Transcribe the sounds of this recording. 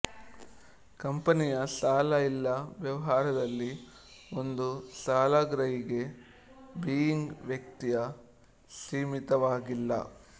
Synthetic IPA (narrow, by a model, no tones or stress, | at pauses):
kɐmpɐnijɐsaːlɐilːɐʋjɐʋɐɦaːɾɐd̪ɐlːi | ond̪usaːlɐɡɾɐɦiɡe̞ | biːjiŋɡʋjɐk̚t̪ijɐ | siːmit̪ɐʋaːɡilːɐ̰